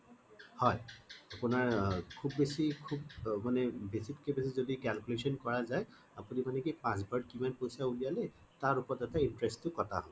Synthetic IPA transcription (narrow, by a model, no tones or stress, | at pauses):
hɔjapunaɹkʰubːesikʰubmanɛbesitkebesizodikɛlkulesɔnkɔɹazaj | apunimanɛkipãs̬bʱəɹɖ̚kimanpojsaulijalɛ | taɹupɔɹtɛtaintɹesttʊkɔtʰa̰ɦɔ